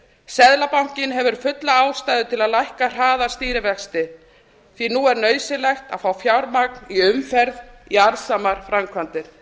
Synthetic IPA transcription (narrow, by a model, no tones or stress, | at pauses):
sɛðlapaw̥ŋ̥cɪnɦɛvʏɾ̥fʏt̪laaːwst̪ajðʏt̪ʰɪlaðlajhkar̥aːðast̪iːɾɪvɛkst̪ɪ | θinuɛɾnœːɥsɪlɛxt̪a̰ðfaːwfjawɾmak̚niʏmfɛɾðiaɾsamaɾ̥fɾamkʰvant̪ɪɾ̥